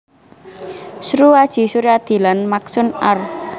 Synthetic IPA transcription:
sɾuad̥ʒ̥i̤suɾad̪̥i̤lanmaksʊnar

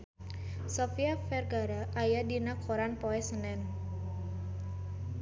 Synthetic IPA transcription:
sɔfiafɛrɡaɾaʔajadinakʰɔɾanpɔɛsənɛn

